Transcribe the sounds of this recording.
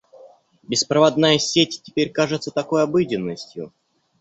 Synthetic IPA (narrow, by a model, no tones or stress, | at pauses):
bʲɪspɾəvɐd̪najəsʲetʲtʲɪpʲeɾʲkaʐɨt̪sət̪ɐko̞jɐbɨdʲɪnːəsʲtʲjʊ